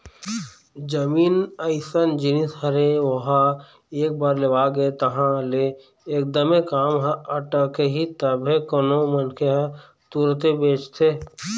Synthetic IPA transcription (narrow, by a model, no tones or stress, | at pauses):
d͡ʒɐmiːnəɪsənd͡ʒɪnishɐɾeʋɐɦa | eːk̚baːɾleʋaːɡəet̪ɐɦãleː | k̚d̪əmekaːmɦɐʈəkeɦit̪ɐbʱekonomənkʰeɦ | t̪uːɾt̪ebeːt͡ʃt̪ʰeː